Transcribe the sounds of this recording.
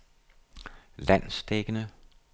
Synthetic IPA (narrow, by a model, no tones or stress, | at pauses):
læn̰sd̥eɡ̥ənə